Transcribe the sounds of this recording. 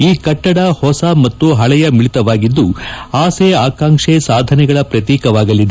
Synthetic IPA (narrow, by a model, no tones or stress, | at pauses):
iːkɐʈːɐɽɐhɔsɐmɐt̪ːuɦɐɭɛjɐmiɭit̪ɐʋaːɡid̪ːuaːseaːkaːŋʂesaːd̪ʱɐnɛɡɐɭɐpɾɐt̪iːkɐʋaːɡɐlːid̪e